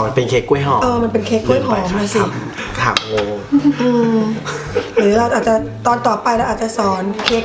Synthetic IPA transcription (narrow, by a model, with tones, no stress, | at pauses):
ma˧npe˧nkʰeː˦˥kːu˧˥˩jɦɔː˨˦ʔɤː˧ma˧npe˧nkʰeː˦˥kːu˥˩˨jɦɔː˧˩˦mnaː˧˩si˧˩m | k̪ʰa̰˨˩˦mo˧ʔɯː˧˨˩ | ɾaː˧˩ʔaː˨˩t͡ɕa˧˩ | t̪ɔː˧nt̪ɔː˨˩pa˧jlɛ˦˥ʔaː˨˩t̪̚t͡ɕa˨˩sɔː˩˦nkʰeː˦˥k̚